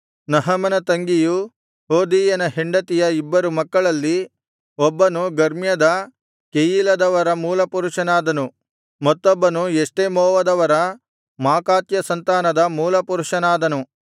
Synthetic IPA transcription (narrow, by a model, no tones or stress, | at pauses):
nɐɦɐmɐnɐt̪ɐŋɡiju | ɦoːd̪iːjɐnɐɦeɳɖɐt̪ijɐibːɐɾumɐkːɐɭɐlːi | ɔbːɐnuɡɐɾmjɐd̪ɐ | kejilɐd̪ɐʋɐɾɐmuːlɐpuɾuʂɐnaːd̪ɐnu | mɐt̪ːɔbːɐnueʂʈemɔːʋɐd̪ɐʋɐɾɐ | maːkaːt̪jɐsɐnt̪aːnɐd̪ɐmuːlɐpuɾuʂɐnaːd̪ɐnu